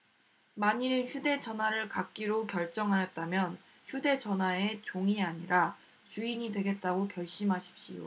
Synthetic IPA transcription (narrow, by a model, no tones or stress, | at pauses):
maɲiɾɯnçjude̞t͡ɕʌnwaɾɯɭkak̚k͈iɾokjʌɭt͡ɕ͈ʌŋɦajʌt̚t͈amjʌn | çjude̞t͡ɕʌnɦwae̞t͡ɕoŋiaɲiɾa | t͡ɕuiɲidwe̞ɡe̞t̚t͈aɡokjʌɭɕ͈imɦaɕʰi̥p̚ɕ͈ḭjo̰